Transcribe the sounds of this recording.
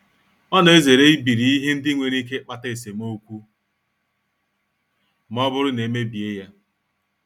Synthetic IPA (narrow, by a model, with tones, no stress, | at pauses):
ɔ˦nɔ˨e˦ze˨ɾe˦i˦bi˨ɾi˨i˦ɦe˦n̩˦dɪ˦ŋʷe˨ɾi˦k̬e˦k͡pa˦ta˦e˨s̬e˨mo˦kʷu˦ | m̩˦ɔ˦bʊ˦ɾʊ˦ne˨˦me˦bi˨e˦ja˦